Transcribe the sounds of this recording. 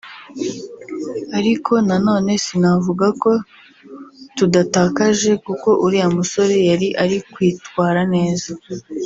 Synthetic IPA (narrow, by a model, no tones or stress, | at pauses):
aɾikʰo̞nano̞ːne̞sinavuɡako̞ | tudataːkaʒe̞kuko̞ʔuɾiamuso̞ɾejaɾiʔaɾikwiːtwaːɾane̞ːza